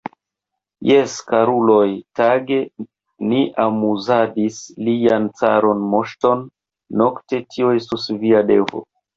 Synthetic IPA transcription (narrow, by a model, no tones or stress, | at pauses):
jeskaɾulo̞jtaɡe̞ | niʔamuzadisliant͡sa̰ɾo̞nmoʃto̞nː | o̞kte̞tʰioe̞stusviade̞vo̞̰